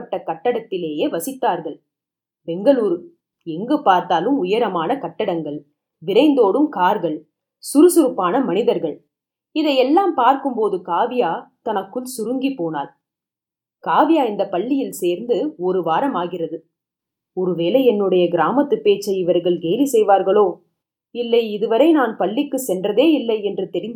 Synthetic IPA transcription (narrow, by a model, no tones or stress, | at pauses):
ɐʈːɐkɐʈːɐɽɐt̪ːɪleːjeːʋɐsɪt̪ːaːɾɣɐɭ | bɛŋɡɐɭuːɾɯ | ɛŋɡɯpaːɾt̪aːlɯmʊjɐɾɐmaːnɐkɐʈːɐɽɐŋɡɐɭ | ʋɪɾɐɪnd̪oːɽɯmkaːɾɣɐɭ | sʊɾɯsʊɾɯpːaːnɐmɐnɪðɐɾɣɐɭ | ɪðɐɪɛlːaːmpaːɾkɯmpoːðɯkaːʋɪjaːt̪ɐnɐkːɯɭsʊɾɯŋɡipːoːnaːl | kaːʋɪjaːɪnd̪ɐpɐɭːɪjɪlseːɾnd̪ɯɔɾɯʋaːɾɐmaːɣɪrɐðɯ | ɔɾɯʋeːlɐɛnːɯɽɐjɐɡɪɾaːmɐt̪ːɯpːeːt͡ʃːɐɪɪʋɐɾɣɐɭɡeːlisɛjʋaːɾɣɐɭoː | ɪlːɐɪɪðɯʋɐɾɐɪnaːnpɐɭːɪkːɯsɛndrɐðeːɪlːɐɪɛndrɯt̪ɛɾɪnd̪